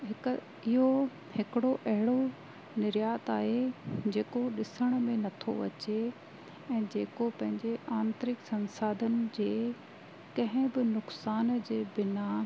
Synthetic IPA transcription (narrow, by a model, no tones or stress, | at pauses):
ɦɪk | ɪɦo | hɪkɪɽoʔɐɦɪɽo | nɪɾjaːt̪aːɦed͡ʑeːkoɗɪsəɽ̃mẽnɐt̪ʰo̰ʋɐ̰t͡ɕe | ɛ̃ːd͡ʑeːkopɐ̃ɦɪ̃ɲd͡ʑeʔaːmt̪ɾɪksɐ̃nsaːd̪ʱənɪ̆d͡ʑeː | kɐ̃ɦɪ̃bɪnʊksaːnd͡ʑeːbɪna